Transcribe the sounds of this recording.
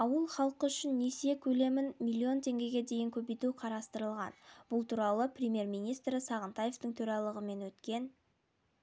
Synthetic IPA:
ɑwəlˠχɑlˠqəʏʃɪnːesiekʲʰɵle̞mɪnmʲilʲːio̞nt̪ʰe̞ŋɡʲe̞ɡʲe̞d̪e̞jɪŋkʲʰɵbejt̪uqʰɑɾɑst̪əɾəlˠʁɑ̰nb̥ʊlˠt̪ʰuɾɑlˠəprʲɪmʲje̞ɾmijnijst̪ɾɪsɑʁənt̪ɑje̞ft̪əɴt̪ʰɵɾɑlˠəʁəme̞nwɵt̪kʲe̞n

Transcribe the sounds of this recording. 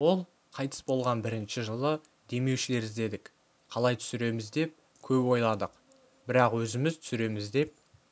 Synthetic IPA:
wo̞lˠ | qʰɑjt̪ʰə̥sbo̞lˠʁɑnbɪɾɪnʃɪʒəlˠə | d̪e̞me̞wʃɪle̞ɾɪzd̪e̞d̪ɪk | qʰɑlˠɑjt̪ʰʏ̥sɪɾe̞mɪzd̪e̞p̚ | kʲʰɵpwo̞jlˠɑd̪əq | bɪɾɑqwɵzɪmɪz̥t̪ʰʏ̥sɪɾe̞mɪzd̪e̞p̚

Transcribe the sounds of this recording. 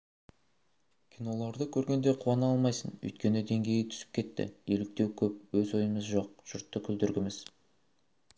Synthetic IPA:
kʲʰijno̞lˠɑɾd̪əkʲʰɵɾɡʲe̞nd̪e̞qʰuɑnəɑlˠmɑjsənɵ̰jt̪̚kʲe̞nɪd̪e̞ŋɡʲe̞jɪt̪ʰʏ̥sɪ̥p̚kʲʰe̞t̪ːɪ̰e̞lɪk̚t̪e̞wkʲʰɵp̚wɵzo̞jəməzʒo̞q̚ʒ̥ʊɾt̪ːəkʲʰʏld̪ʏɾɡʲɪmɪz

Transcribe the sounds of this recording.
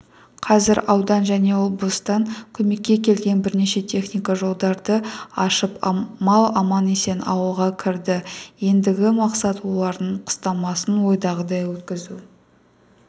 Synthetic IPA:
qʰɑzɪɾɑwd̪ɑnʒæne̞wo̞blˠəst̪ɑŋkʲʰɵme̞kʲːe̞kʲe̞lɡʲe̞nbɪɾne̞ʃe̞t̪ʲʰe̞χnijkɑʒo̞lˠd̪ɑɾd̪əɑʃəpmɑlˠɑmɑne̞se̞nɑ̰wəlˠʁɑkʲʰɪɾd̪ɪje̞nd̪ɪɡʲɪmɑqsɑt̪wo̞lˠɑɾd̪əɴqʰə̥st̪ɑmɑsənwo̞jd̪ɑʁəd̪ɑjwɵt̪kʲɪzu

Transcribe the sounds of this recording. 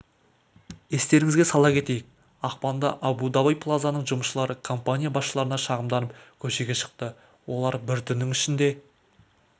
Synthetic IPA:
e̞st̪e̞ɾɪŋɪzɡʲe̞sɑlˠɑkʲʰe̞t̪e̞jɪk̚ | ɑqpɑnd̪ɑʔɑbud̪ɑbajpʰlˠazanəɴʒʊmʃəlˠɑɾəkʰo̞mpanʲijabɑsʃəlˠɑɾənɑʃɑʁəmd̪ɑnəpkʲʰɵʃe̞ɡʲe̞ʃə̥q̚t̪ə | wo̞lˠɑɾbɪɾt̪ʰʏnːɪŋɪʃɪnd̪e̞

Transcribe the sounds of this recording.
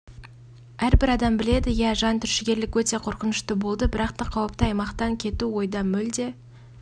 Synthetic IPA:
æɾbɪɾɑd̪ɑmbɪle̞d̪ɪjæʒɑnt̪ʰʏɾʃɪɡʲe̞ɾlɪkwɵt̪e̞qʰo̞ɾqənəʃt̪əbo̞lˠd̪əbɪɾɑqt̪ɑqʰɑwəp̚t̪əɑjmɑqt̪ɑŋkʲʰe̞t̪uwo̞jd̪ɑmɵld̪e̞

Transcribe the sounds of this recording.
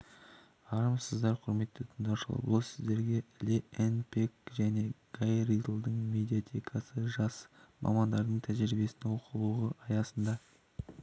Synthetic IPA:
ɑɾəmsəzd̪ɑɾqʰʊɾme̞t̪ːət̪ʰənd̪ɑwʃəlˠɑ̰bʊ̰lˠsɪzd̪e̞ɾɡʲe̞lʲeenpʰekʒæne̞ɡ̥ajɾid̪lˠd̪əɴmʲe̞d̪ijat̪ʲʰe̞kʰɑsəʒɑsmʔɑ̰mɑnd̪ɑɾd̪əɴt̪ʰæʒɾɪbe̞sɪnewo̞qʰəlˠuʁəʔɑjɑsənd̪ɑ

